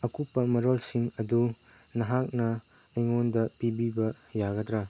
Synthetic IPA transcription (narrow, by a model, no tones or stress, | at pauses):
ɐkupːɐmɐɾolsiŋɐdu | nɐɦak̚nɐː | jŋondɐpibibɐ | jaɡɐdɾa